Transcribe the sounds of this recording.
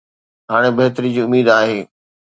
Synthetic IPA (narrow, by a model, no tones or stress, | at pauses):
ɦaːɽ̃ebɐɦt̪əɾid͡ʑiːʊmiːd̪aːɦeː